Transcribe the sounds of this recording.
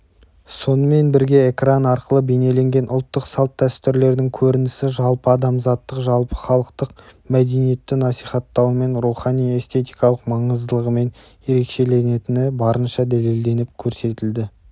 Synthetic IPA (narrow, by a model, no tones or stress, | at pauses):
so̞nəme̞nbɪɾɡʲe̞ːkranɑɾqəlˠəbe̞ne̞le̞ŋɡʲe̞nʔʊlˠt̪ːəqsɑlˠt̪ʰːæst̪ɪɾle̞ɾd̪ɪŋkʲʰɵɾɪnɪsɪʒɑlˠpəɑd̪ɑmzɑt̪ːəqʒɑlˠpə̥χɑlˠəqt̪əq̚mæd̪e̞nije̞t̪ːɪnɑsijχɑt̪ːɑwme̞nɾuχɑnije̞st̪ʰe̞t̪ijkɑlˠəqmɑɴəzd̪əlˠəʁəme̞n | je̞ɾe̞kʃe̞le̞ne̞t̪ɪnɪbɑɾənʃɑd̪æle̞ld̪e̞nɪp̚kʲʰɵɾse̞t̪ɪld̪ɪ